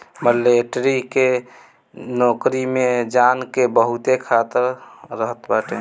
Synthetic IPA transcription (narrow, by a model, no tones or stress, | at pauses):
məleʈɾike | nokɾimed͡ʒankebəɦut̪ekʰat̪əɾːəɦət̪baʈe